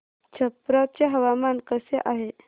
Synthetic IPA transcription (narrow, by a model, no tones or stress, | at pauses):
t͡ɕʰəpɾat͡ɕeɦəʋamankəseʔaɦe